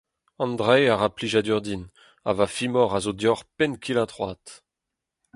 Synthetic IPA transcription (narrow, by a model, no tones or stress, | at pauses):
ɑ̃nd̪ʁɛaʁapliʒad̪yʁd̪in | a̰vafimɔʁazod̪jɔʁpɛnkʰilat̪ʁwat̪